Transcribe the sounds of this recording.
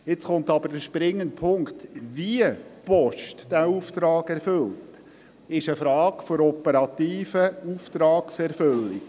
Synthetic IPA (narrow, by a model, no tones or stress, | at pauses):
jɪt͡sχʊnt̪ɑbəɾdəʃpɾɪŋːənt̚pʰʊŋkt̪ʋiəpɔʃtd̥æːuːft̪ɾɑːɡɛɾfɵltt | ɪʃəfɾɑːɡfɔɾɔpəɾɑt̪iːfəuft̪ɾɑːksɛɾfɵlːi